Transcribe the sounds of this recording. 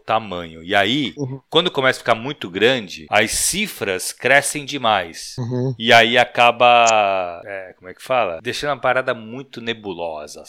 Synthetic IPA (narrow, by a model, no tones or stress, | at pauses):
ʊt̪amɐ̃ɲʊɪaikwɐ̃nd̪ʊkõmɛsafikaɾmũj̃t̪ʊɡɾɐ̃d͡ʒɪɐssifɾɐskɾɛsẽj̃d͡ʒɪmajsɪaiakabɐ | ɛkõmʊɛkɪ̥falɐ̰d̪eʃɐ̃nd̪ʊumɐpaɾad̪ɐmũj̃t̪ʊnebulɔzɐ̰